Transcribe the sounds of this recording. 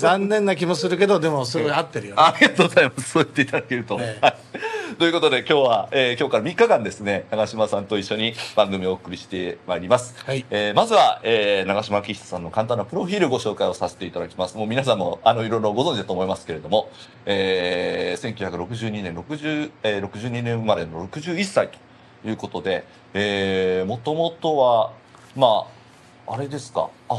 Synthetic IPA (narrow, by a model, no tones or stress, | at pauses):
zãnːẽ̞nːak̬ʲimos̬ɨɾɯ̟ke̞d̪od̪e̞mosɨɡoat̪ːe̞ɾɯjoːɾʲiɡat̪oːɡozaimasɨ̥soːit̪ːeit̪ad̪ake̞ɾɯ̟t̪o̞hait̪o̞jɯ̟ko̞t̪o̞d̪e̞kʲo̞ːβaeːkʲo̞ːkaɾamʲikːakãnd̪e̞sɨne̞naɡaɕimasãnt̪o̞iɕːoɲ̟ib̥ãŋɡɯ̟mʲio̞ːɯ̥kɯ̟ɾʲiɕi̥t̪e̞maiɾʲimasɨ̥eːmazɨβaeːnaɡaɕimakʲiçi̥t̪o̥sãnːo̞kãnt̪ãnːapɯ̟ɾo̞ɸʲiːɾɯ̟ɡo̞ɕo̞ːkaio̞sase̞̥t̪e̞it̪ad̪akʲi̥masɨmo̞ːmʲinas̬ãmːo̞̰ano̞iɾõ̞nɾoɡo̞zõ̞ɲd͡ʑid̪at̪oːmoimasɨ̥ke̞ɾe̞d̪o̞mo̞ | eːsẽ̞ŋkʲɨɯ̟çakɯ̟ɾo̞kɯ̟ʑɨːɲ̟inẽɾo̞kɯ̟ʑɨːeɾo̞kɯ̟ʑɨːɲ̟inẽ̞mmad̪e̞no̞ɾo̞kɯ̟ʑɨːisːait̪o̥ | jɯ̟ːko̞t̪o̞d̪e̞ | eːmo̞t̪o̞mo̞t̪o̞βa | ma | aɾe̞d̪e̞sɨ̥ka̰ː